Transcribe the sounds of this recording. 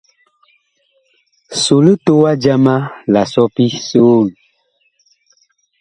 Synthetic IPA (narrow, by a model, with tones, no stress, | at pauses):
so˨lə˦to˦wa˦d͡ʒa˦ma˦la˨sɔ˦pi˦soː˦l